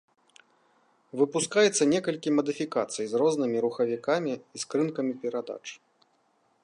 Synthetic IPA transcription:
vɨpuskajɛt̪sːɐnʲɛkɐlʲkʲimɐd̪ɨfʲikat̪sɨjzrɔznɨmʲiɾuxɐvʲikamʲiːskɾɨnkɐmʲipʲɛɾad̪a̰t͡ʂ

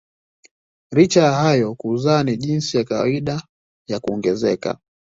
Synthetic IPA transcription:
ɾit͡ʃajahajɔkuzaːniʄinsijakawa̰iɗa | jakuɔŋɡɛzɛka̰

